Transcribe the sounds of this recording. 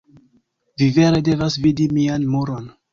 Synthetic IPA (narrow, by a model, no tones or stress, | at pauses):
vive̞ɾe̞de̞vasvidimianmuɾo̞n